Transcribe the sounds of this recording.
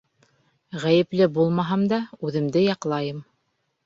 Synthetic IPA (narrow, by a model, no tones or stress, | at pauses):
ʁæjɘ̆plɘbulˠmɑɦɑmd̪ɑʉðɘ̆md̪ɘjɑqlˠɑjɤm